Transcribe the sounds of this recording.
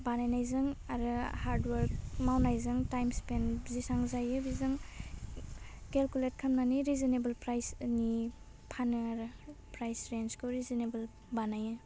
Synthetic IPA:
banajnajzɯŋaɾɯhaɾdwaɾk̚mawnajzɯŋtajmspenzisaŋzajɯbizɯŋ | kelkulet̚kʰamnaniɾizinebɐlpɾajsni | pʰanɯaɾɯpɾajsɾenskʰɯwɾizinebɯl | banajɯ

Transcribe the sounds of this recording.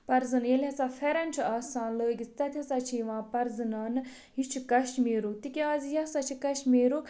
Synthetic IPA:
pɐɾzɨnjelʲɦɐt͡safʰeɾɐnt͡ʃʰiaːsaːnloːɡʲit͡st̪ɐt̪ʰʲɐt͡sat͡ʃʰiʋãːpɐɾzɨnaːnɨ | ɦit͡ʃʰikɐʃmeːɾut̪ikʲiaːzijɐsat͡ʃʰikɐʃmeːɾuː

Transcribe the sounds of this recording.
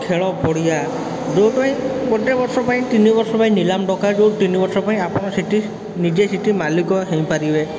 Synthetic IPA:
kʰeɭɔpɔɽija | d͡ʒowpaĩkɔʈebɔɾsɔpaĩt̪inibɔɾsɔpaĩnilamɖɔkad͡ʒowt̪inibɔɾsɔpaĩapɔɽ̃ɔsiʈi | nid͡ʒesiʈimalikɔɦẽj̃paɾibe

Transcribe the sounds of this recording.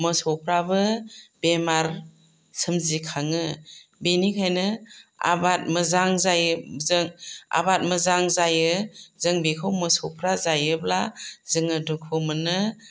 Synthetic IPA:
mɯsɔpʰɾabɯbemaɾ | sʰɯmzikʰaŋɯbenikʰajnɯa̰bat̚mɯzaŋzajzɯŋa̰bat̚mɯzaŋzajɯzɯŋbikʰɯwmɯsɔpʰɾazajɯblazɯŋɯdukʰɯmɯnɯ

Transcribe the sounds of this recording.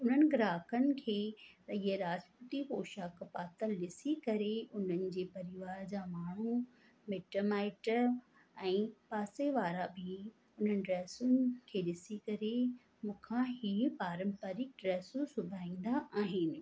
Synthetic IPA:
ʊn̤ənɪ̆ɡɾaːkʰənɪ̆kʰeːt̪ɐɪɦeɾaːd͡ʑpət̪ipoːʃakpaːt̪əlːɪsikɐɾeʔʊn̤ənɪ̆d͡ʑeːpɐɾɪʋaːɾd͡ʑaːmaːɳ̤u | meːʈomaːɪʈ | ɛ̃ːpaːseʋaːɾabʱɪ | ʊn̤ənɪ̆ɖɾɛːsʊnɪkʰeːɗɪsikɐɾe | mũːkʰãɦiːpaːɾə̃mpaːɾɪk̚ɖɾɛːsũsʊbʱaːĩːn̆d̪aʔaːɦɪnɪ̆

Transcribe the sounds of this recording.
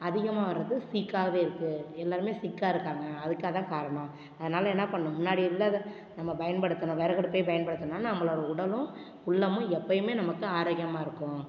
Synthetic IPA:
ɐðɪɣɐmaːʋɐɾːɐðɯsiːkːaːɣɐʋeːɪɾɯkːɯɛlːaːɾɯmeːsɪkːaːɪɾɯkːaːŋɡɐːðɯkːaːt̪ãːkaːɾɐɳã | ɐðɐnaːlɐɛnːɐpɐɳːʊ̃mʊnːaːɽɪɪlːɐ | nɐmːɐbɐjɐnpɐɽɯt̪ːɐnʊ̃ʋeːɾɐɣɐɽɯpːejbɐjɐnpɐɽɯt̪ːɐnnːaːnɐŋɡɐɭoːɽɐʊɽɐlʊ̃ | ʊɭːɐmʊ̃ɛpːɐjɯmeːnɐmɐkːɯaːɾaːɣɪjɐmaːɪɾɯkːʊ̃

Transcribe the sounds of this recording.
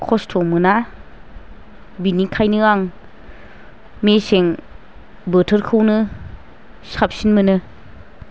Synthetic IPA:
kʰɔstʰɔmɯna | binikʰajnɯaŋ | meseŋ | bətʰɯɾkʰɯwnɯ | sap̚sinmɯnɯ

